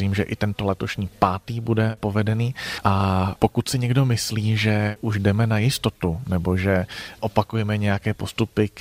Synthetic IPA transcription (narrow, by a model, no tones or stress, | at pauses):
iːmʒɛʔɪt̪ɛnt̪olɛt̪o̞ʃɲiːpaːt̪iːbudɛpo̞vɛdɛniːʔapo̞kut̪sɪɲɛɡdo̞mɪsliːʒɛʔuʒdɛmɛnajɪst̪o̞t̪unɛbo̞ʒɛʔopakujɛmɛɲɛjakɛːpo̞st̪upɪk